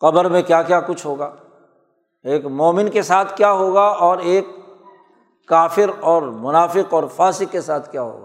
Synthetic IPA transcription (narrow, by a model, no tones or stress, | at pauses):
qɐbəɾmẽkjaːkjakʊt͡ʃʰɦoːɡaː | eːkmɔːmɪnkesaːt̪ʰkjaɦoːɡaɔːɾeːk | aːfɪɾɔːɾmʊnaːfɪqɔːɾfaːsɪkːesaːt̪ʰkjaːɦo̰ːɡa̰ː